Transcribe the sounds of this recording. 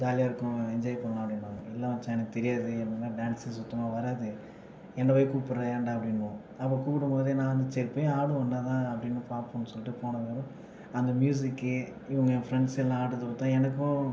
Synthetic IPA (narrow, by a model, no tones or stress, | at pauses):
d͡ʒaːlɪjaːɪɾɯkːʊ̃ɛɲd͡ʒaːjpɐɳːãɐpːɐɽɪnːʊ̃ɪlːaːʋɐt͡ʃːaːnɐt̪ɛɾɪjaːðɯɐpɐɽɪnːaːɖaːnsɪsɔt̪ːɐmaːʋɐɾaːðɯ | ɛnːɐʋɐjkuːʈpːɯɾɐːɳɖɐpːɐɽɪnːʊ̃ | ɐpːoːkuːpɪɽɯmpoːðenãːʋɐnd̪ɐt͡ʃɛɾpːɯaːɽɯʋɐnːaːt̪ãːɐpːɐɽɪnːɯpaːɾpõːnːɯsɔlːɪʈːɯpoːɳɐʋeːɾʊ̃ | ɐnd̪ɐmjuːs̬ɪkːɯ | ɪʋɐŋɡɐfɾɛɳɖsɛlːãaːɽɯɐðɯpɐt̪ːãːɛnɐkːʊ̃